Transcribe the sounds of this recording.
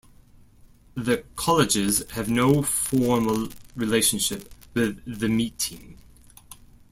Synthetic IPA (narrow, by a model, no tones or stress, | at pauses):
ðəkʰɒlɪd͡ʒɪz̥əvnoʊfɔːməlɹɪleɪʃə̃nʃɪp̚wɪðɨmiˑtʰĩm